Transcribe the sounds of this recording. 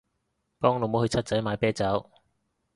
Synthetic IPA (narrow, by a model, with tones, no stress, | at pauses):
pɔː˥ŋlo˨˧wmo˨˥whɵ˧ɥt͡sʰɐ˥t̚t͡sɐ˨˥jmaː˨˧˥jpɛː˥t͡sɐ˨˥w